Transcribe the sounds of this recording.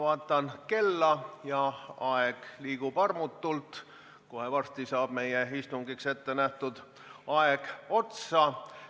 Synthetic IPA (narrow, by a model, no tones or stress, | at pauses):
vɑːt̪ːˑɑnke̞lːɑjɑɑeɡ̥liːɡ̥ub̥ɑrmut̪ːult̪ | koɦevɑrst̪isɑːb̥me̞jeist̪uŋɡikse̞t̪ːe̞næht̪ud̪̥ | ɑeɡ̥o̞t̪sɑ